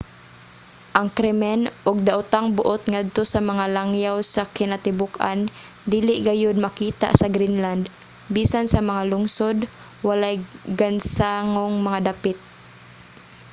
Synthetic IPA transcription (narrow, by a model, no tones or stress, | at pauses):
ʔɐŋkɾɛmɛnʔʊɡ̚d̪aʔʊt̪aŋbʊʔot̪ŋad̪̚t̪osamɐŋalaŋjawsakɪnat̪ɪbʊkʔa̰n | d̪iːlɪʔɡajʊd̪̚makiːt̪a̰ʔsɐɡɾinland̪ | biːsansɐmɐŋalʊŋsod̪ | walajɡansaŋoŋmɐŋad̪apɪt̪̚